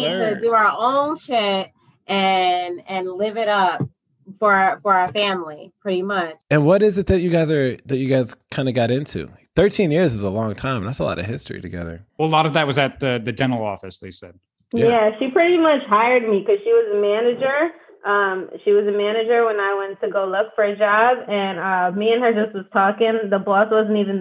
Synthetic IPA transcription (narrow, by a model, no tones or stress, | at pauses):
ɨdɨə˞ʔõʊ̃nʃɪt̚ | ʔɨ̃nɨ̃nlɪvɪɾʌp̚ | fə˞fə˞ə˞fæ̃mlipʰɹ̥ɪɾimʌt͡ʃɨ̃nwʌɾɪzɨt̪̚ðɨt͡ʃɨɡaɪzə˞ðɨt͡ʃɨɡaɪz̥kʰãɪ̃ndɨɡɑɾɪ̃ntʰʉ̰θɜ˞tʰĩnjɪɹzɨzəlɔ̃ŋtʰãɪ̃mðætsəlɔ̰ɾʌ̰̥hɪstɹ̥ḭɾɨ̰ɡɛ̰ðə̰˞wɛlˠlɔɾʌvðɨt̚wʌzɨt̪̚ðɨðɨd͡ʒɛ̃nə˞l̩ˠɔ̰fɨsðeɪsɛ̰d̥̚ | jæʃipʰɹ̥ɪɾimʌt͡ʃhaɪə˞d̚mikʌz̥ʃiwʌzɨmænɨd͡ʒə˞ | ʔʌ̃mʃiwʌzɨmænɨd͡ʒə˞wə̃naɪwɛ̃ntʰɨɡoʊlʊkfə˞ɨd͡ʒɑbɨ̃nʌmiɨ̃nə˞d͡ʒʌst̚wʌz̥tʰɔkɪ̃ŋðəbɔswʌzn̩tivɨ̃n̩